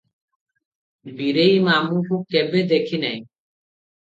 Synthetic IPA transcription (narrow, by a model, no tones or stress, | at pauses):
biɾeimamũkʰub̚kɛbed̪ekʰinɛj